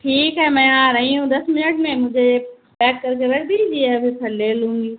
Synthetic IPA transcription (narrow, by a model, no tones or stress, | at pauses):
ʈʰiːkɦɛmɛ̃ːãɾɐɦĩũd̪ɐsmɪnəʈmẽmʊ̃ɦd͡ʑʱe | bɛːkːɐɾk̬eɾɐɾd̪id͡ʒiɛɐbʱisʰɐleːlũːŋɡiː